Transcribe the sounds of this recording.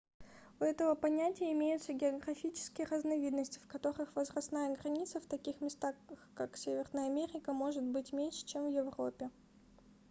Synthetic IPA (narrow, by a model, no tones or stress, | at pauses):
ʊɛt̪əvəpɐnʲætʲɪjəɪmʲejʊt̪səɡʲɪɐɡɾɐfʲit͡ɕɪ̥skʲɪjərəznɐvʲid̪nəsʲtʲɪ̥fkɐt̪o̞ɾɨxvəzrɐst̪najəɡɾɐnʲit̪səft̪ɐkʲixmʲɪst̪akaksʲevʲɪrnəjəɐmʲeɾʲɪkəmo̞ʐɨt̪̚bɨtʲmʲenʲʂɨ̥t͡ɕemvjɪvro̞pʲɪ